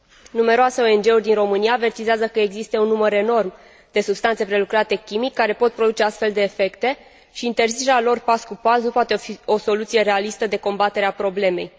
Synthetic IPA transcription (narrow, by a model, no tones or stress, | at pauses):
nume̞ɾoaseo̞e̞nd͡ʒe̞urʲd̪inro̞mɨnijaːve̞rt̪izeazəkəeɡzist̪eunːuməɾe̞no̞rm | d̪̥e̞subst̪ant̪se̞pɾe̞lukɾat̪e̞kʲimikːaɾe̞po̞t̪̚pɾo̞d̪ut͡ʃe̞ast̪fe̞ld̪e̞ːfe̞kt̪e̞ | ʃiːnt̪e̞rzit͡ʃeɾealo̞rpaskupasnupoat̪eio̞so̞lut̪sije̞ɾe̞alist̪əd̪e̞ko̞mbat̪e̞ɾeapɾo̞ble̞me̞̰j